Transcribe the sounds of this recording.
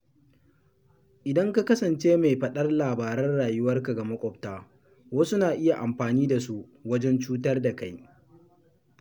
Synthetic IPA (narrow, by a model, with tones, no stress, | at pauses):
ʔɪ˨dɐ˦ŋka˦kɐ˦sɐ˨nt͡ʃeː˦ma˨jɸɐ˨ɗɐ˦rlaː˨baː˨ɾɛ˦rɽaː˨jʊ˦wɐ˦rka˨ɡa˨mɐ˦kʷʼɔ˨ptaː˦ | wɐ˦sʊ˦naː˨ʔɪ˦ja˨ʔa˨mɸaː˨niː˦da˨su˦ʔ | wɐ˦d͡ʒɛ˦nt͡ʃuː˦tɐ˦rda˨ka˦j